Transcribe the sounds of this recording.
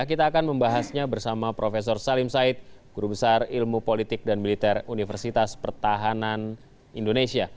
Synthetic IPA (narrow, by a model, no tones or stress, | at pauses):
akit̪aːkanməmbaɦasɲabərsamapɾofes̬ɔrsalɪmsaɪt̪̚ɡ̥uɾubəsarilmupolit̪ɪk̚danmilit̪ɛrunifərsit̪aspərt̪aɦanan | indonesia